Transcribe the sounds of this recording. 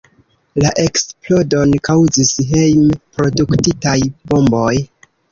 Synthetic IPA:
laʔe̞ksplo̞do̞nkawzisɦejmpɾo̞duktitajbo̞mbo̞j

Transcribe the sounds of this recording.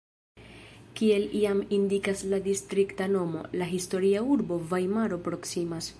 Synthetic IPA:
kie̞liamindikasladistɾiktano̞mo̞̰laɦisto̞ɾiauɾbo̞vajmaɾo̞pɾo̞ksimas

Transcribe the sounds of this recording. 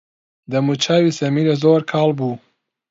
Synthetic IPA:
d̪ɐmut͡ʃʰaːwisɐmiɾezoːɾkʰɑːlbuː

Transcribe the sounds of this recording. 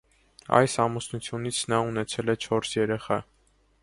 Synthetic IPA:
ɑ̰jsɑmusnut͡sʰjunit͡sʰnɑunɛt͡sʰɛlɛt͡ʃʰɔɾsjɛɾɛχɑ

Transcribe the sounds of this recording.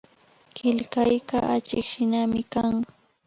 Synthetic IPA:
kɪʎkajɢaʔat͡ʃɪkʃɪnamɪkaŋ

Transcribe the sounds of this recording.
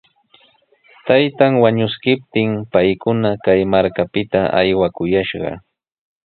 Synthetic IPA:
t̪ajt̪aŋwaɲʊskɪp̚t̪ɪmpajkʊnakajmaɾkapɪt̪aʔa̰jwakʊjaʃɢɑ̰

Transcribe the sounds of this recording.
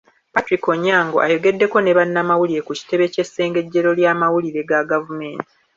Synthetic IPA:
patɾiko̞ɲːaːŋɡoʔa̰jo̞ɡe̞dːe̞ko̞ne̞βanːamawuliɾe̞kuci̥te̞βe̞cesːe̞ːŋɡe̞ɟːe̞ɾo̞ljaːmawuliɾe̞ɡaɡavume̞ːnti̥

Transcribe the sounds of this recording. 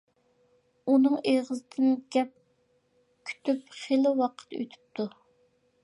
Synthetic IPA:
unɨŋeʁɨzɨt̪ʰɪnɡʲɛp̚ | kʲʰy̥t̪ʰypχelɪwɑqʰə̥t̪ø̰t̪ʰy̥p̚t̪ʰu

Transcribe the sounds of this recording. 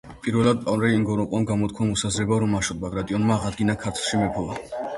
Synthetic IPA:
pʼiɾvɛlˠad̪̚pʼaɾɛiŋɡɔɾɔqʼwamɡamɔt̪̚kʰwamɔsazɾɛbaɾɔmaʃɔd̪̚baɡɾat̪ʼiɔnmaːʁad̪ɡinakʰaɾt̪ʰlˠʃimɛpʰɔva

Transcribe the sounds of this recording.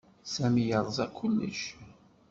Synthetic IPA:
sæmijəɾˤzˤɑkʷʰːʊlːə̰ʃ

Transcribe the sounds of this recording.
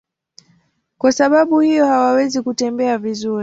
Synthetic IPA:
kwasaɓaɓuhijɔhawawɛzikutɛmbɛavizuɾ

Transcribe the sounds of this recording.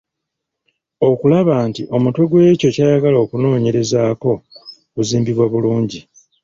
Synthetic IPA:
o̞kulaβaːntiʔo̞mutwe̞ɡwe̞ːco̞caːjaɡaloːkuno̞ːɲe̞ɾe̞zaːko̞ | kuziːmbiβwaβuluːɲɟi

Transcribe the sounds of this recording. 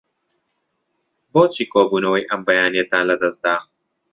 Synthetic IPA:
boːt͡ʃiːkoːbuːnɐwijʔɐmbɐjaːnijɐt̪ãːnlɐd̪ɐsd̪aːɣ

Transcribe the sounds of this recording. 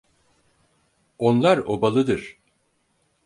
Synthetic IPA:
onlˠaɾo̰balˠɯd̪ɯɾ̥

